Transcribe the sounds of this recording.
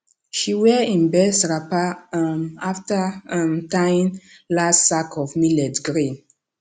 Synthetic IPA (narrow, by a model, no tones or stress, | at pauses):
ʃiwɛĩnbɛsɹapamaftəmtãj̃nlastsakʰɔvmilɛdɡɹĩn